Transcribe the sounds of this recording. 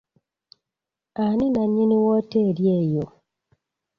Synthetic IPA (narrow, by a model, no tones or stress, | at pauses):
aninaɲiniwɔteɾjejo